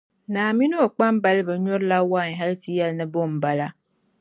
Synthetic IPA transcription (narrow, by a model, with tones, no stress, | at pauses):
naː˨mi˦nu˦o˨k͡pa˦mba˨lɪ˦ba˨ɲɔ˦ɾla˦wa˦˨ɦa˦lti˨jɛ˨lnɨ˦bo˦˨m̩˨ba˨la˦